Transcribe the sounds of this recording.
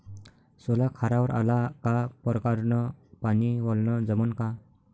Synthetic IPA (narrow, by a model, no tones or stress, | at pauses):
solakʰaɾaʋəɾa̰lakapɔɾkaɾnɔpaniʋɔlnəd͡zəmənka